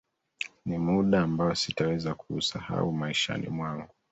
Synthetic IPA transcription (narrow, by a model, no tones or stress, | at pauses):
nimuɗaːmbaɔsitawɛzakʰuːsaha̰umaiʃa̰nḭmwaŋɡu